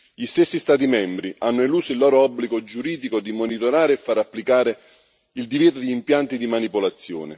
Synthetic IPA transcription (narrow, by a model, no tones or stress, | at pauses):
ʎist̪esːist̪aːt̪imɛmbɾiʔanːoiluːsoilːɔːɾoɔbːliɡod͡ʒuɾiːd̪ikod̪imonit̪oɾaːɾeɛfːaɾapːlikaːɾe | ild̪iveːt̪od̪iːmpjant̪id̪imanipolat̪sːjo̰ːnɪ̰